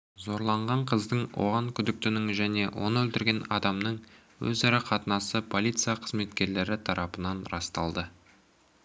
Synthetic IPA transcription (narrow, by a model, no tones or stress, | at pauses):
zo̞ɾlˠɑɴʁɑɴqʰəzd̪əɴwo̰ʁɑŋkʲʰʏd̪ɪk̚t̪ɪnɪŋʒæne̞wo̞̰nəwɵlt̪ɪɾɡʲe̞nɑd̪ɑmnəɴ | wɵ̰zɑɾɑqʰɑt̪ənɑsəpʰo̞lʲijt̪sɨjaqʰəzme̞t̪kʲe̞ɾle̞ɾɪt̪ʰɑɾʔɑpənɑnɾɑst̪ɑlˠd̪ə